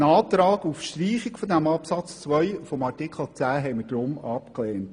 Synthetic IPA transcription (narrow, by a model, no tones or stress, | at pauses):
nɑːt̪ɾɑːɡufʃtriːχikfɔd̪æmɑpsɑt͡st͡sʋœʏfɔmɑrtɪkχl̩ˠt͡sæːɦɛɪmədɾʊmɑpkleːnt